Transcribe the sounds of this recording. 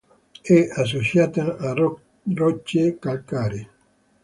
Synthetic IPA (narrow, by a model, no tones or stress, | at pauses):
ɛas̬ot͡ʃjaːt̪aa | rɔt͡ʃːekalkaːɾi